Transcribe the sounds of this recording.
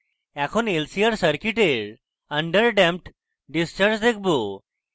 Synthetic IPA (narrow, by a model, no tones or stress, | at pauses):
ɛkʰonelsijəɾsəɾkiʈeɭ | əɳɖəɾɖɛ̃mpʈ | ɖist͡ɕaɾd͡ʑd̪ek̚ʰbo